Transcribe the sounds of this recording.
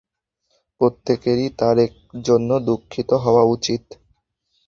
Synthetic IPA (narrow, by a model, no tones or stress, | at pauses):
pɾot̪ːekeɾit̪aɾek̚ | d͡ʑonːod̪ukʰːit̪oɦɔoaut͡ɕit̪